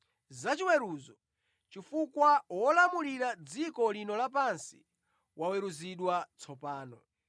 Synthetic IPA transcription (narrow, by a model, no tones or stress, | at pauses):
zat͡ʃiwɛɾuzɔ | t͡ʃifukwawɔlamuliɾad͡zikɔlinɔlapansḭ | wawɛɾuziɗwat͡sʰɔpaːnɔ